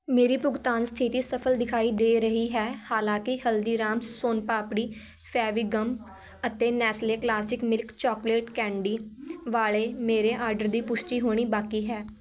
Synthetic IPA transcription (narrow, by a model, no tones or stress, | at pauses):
meːɾiːpʊɡt̪aːnst̪ʰɪt̪iːsəpʰəld̪ɪkʰaːiːd̪eːɾəɦiːɦɛːhaːlãːkɪhəld̪iːɾaːmsoːnpaːpɽiː | pʰɛːʋiːɡəmp | ət̪eːnɛːsleːklaːsɪkmɪlkt͡ʃɔːkleːʈkɛ̃ːɳɖiːʋaːleːmeːɾeːʔaːɾɖəɾd̪iːpʊʃʈiːɦoːɽ̃iːbaːkiːɦɛː